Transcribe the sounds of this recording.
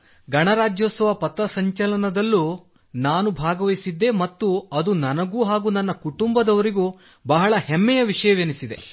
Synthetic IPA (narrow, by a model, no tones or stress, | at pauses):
ɡɐɳɐɾaːd͡ʒjoːsɐʋɐpɐt̪ːɐsɐɲt͡ʃɐlɐnɐd̪ɐlːuː | naːnubʱaːɡɐʋɐjsid̪ːe̞mɐt̪ːuɐd̪unɐnɐɡuːɦaːɡuːnɐnːɐkuʈumbɐd̪ɐʋɐɾiɡuː | bɐɦɐɭɐhemːɛjɐʋiʂɐjɐʋenisid̪e̞̰